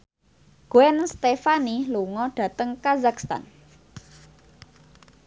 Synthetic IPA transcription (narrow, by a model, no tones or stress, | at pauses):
ɡ̥oɛnst̪efaniluŋɔɖ̥ä̤t̪əŋkazakst̪a̰n